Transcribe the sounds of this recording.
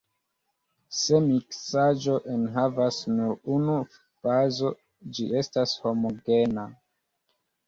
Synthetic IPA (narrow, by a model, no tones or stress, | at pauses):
se̞miksad͡ʒo̞ʔenɦavasnuɾunu | fazo̞ | d͡ʒie̞stasho̞moɡe̞na